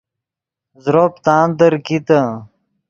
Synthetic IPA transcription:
zɾoːpt̪aːnd̪əɾkit̪ə

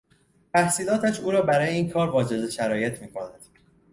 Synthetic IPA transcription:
t̪ʰæhsiːlɒːt̪ʰæʃuːɾɒːbæɾɒːjeiːnkʰɒːɾvɒːd͡ʒe̞ze̞ʃæɾɒːje̞t̪ʰmiːkʰo̞næd̪̥

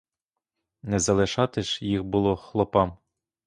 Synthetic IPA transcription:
nɛzɐlˠɪʃɑt̪ɪʃjixbʊlˠɔxlˠɔpɑm

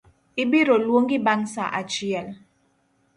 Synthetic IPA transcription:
ibiɾolwoŋɡibaŋsa̰ʔa̰t͡ʃiɛl

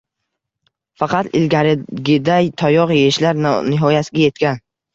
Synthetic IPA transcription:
fɑqʰɑt̪ɪ̰lɡʲaɾɡʲɪd̪ajt̪ʰɒjɒqjeɪʃlaɾnnɪɦɒjasɪɡʲaje̞t̪̚kʲan

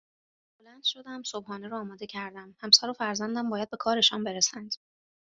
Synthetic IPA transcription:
bolænd̪̥ʃo̞d̪æmsobhɒːneɾoːmɒːd̪ecʰæɾd̪æmhæmsæːɾofæɾzænd̪æmbɒːjæd̪̚be̞kʰɒːɾe̞ʃɒnbe̞ɾesænd̪̥

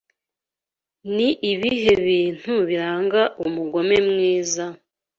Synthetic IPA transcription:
niʔiβiɦe̞βiːn̥huβiɾaːŋɡaʔumuɡo̞me̞mŋiːza

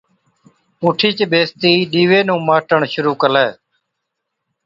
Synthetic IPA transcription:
ʊːʈʰiːt͡ʃbeːst̪iːɗiːʋeːnũːmaːʈəɳʃʊɾuːkəlɛː

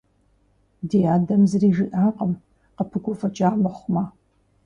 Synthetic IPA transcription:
dejaːdɐmzɨriːʒɨʔaːqəm | qəpʰɨɡʷɔfɐt͡ʃʼaːmɐχʷma

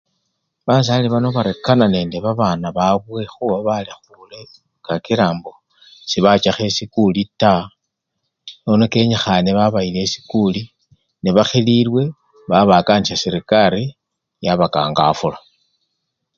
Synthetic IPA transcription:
βas̬aːliβano̞βaɾekanane̞ːnde̞βaβanaβaβwe̞xuβaβalixule | kakiɾaːmbo̞ | siβat͡ʃaxe̞sikulita | nonoke̞ɲaxaneβaβaile̞si̥kuli | neβaxililwe̞ | βaβakanisasiɾikaɾi | jaβaka̰ːŋɡa̰fula

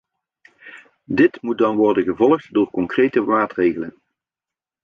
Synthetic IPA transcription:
dɪtmut̚dɑnʋɔrdənɣəvɔlˠχtdoːrkɔŋkrejtəmaːtrejɣələn

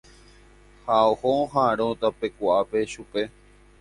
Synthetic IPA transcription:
haohoɦaɾõt̪ape̞kʷuʔape̞ʃupe̞

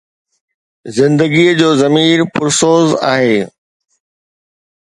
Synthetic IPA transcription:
zɪ̃nd̪əɡiəd͡ʑoːzɐmiːɾpʊɾsoːza̰ːɦeː

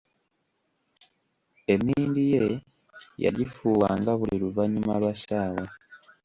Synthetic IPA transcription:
e̞miːndije | ja̰ɟifuːwa̰ːŋɡaβuliluvaɲumalwasaːwa

